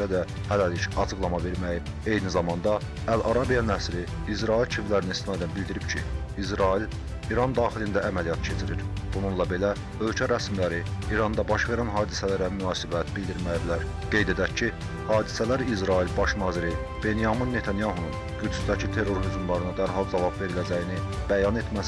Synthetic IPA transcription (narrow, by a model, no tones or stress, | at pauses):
æd̪æ | hælæliʃɑt͡ʃʰɯɡlˠɑmɑve̞ɾmæjib | e̞jnizɑmɑnd̪ɑ | ælʔɑɾɑbijɑnæsɾiːzɾɑilt͡ʃʰivlæɾinist̪inɑːed̪ænbild̪iɾibcʰiizɾɑil | iɾɑnd̪ɑːχilind̪ææmælijɑt̪cʰe̞t͡ʃʰiɾiɾ | b̥ununlˠɑbe̞læ | ø̞lcʰæɾæsmilæɾiːɾɑnd̪ɑbɑʃve̞ɾænɦɑːd̪isælæɾæmynɑːsibæt̪bild̪iɾmæjblæɾ | ɡ̥e̞jd̪e̞d̪æcʰːi | hɑːd̪isælæɾizɾɑilbɑʃnɑːziɾi | b̥e̞nijɑminːe̞t̪ʰɑnjɑɦunun | ɟyd͡ʒsd̪æcʰit̪ʰe̞ɾo̞ɾɦyzmlˠɑɾɯnɯd̪æɾɦɑlˠd͡ʒɑvɑbve̞ɾilæd͡ʒæjini | b̥æjɑne̞t̪ʰmæs